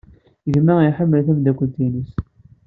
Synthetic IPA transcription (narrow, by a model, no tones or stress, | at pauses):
ʝmːæiħəmːəlθæmd̪ækʷːənt̪inis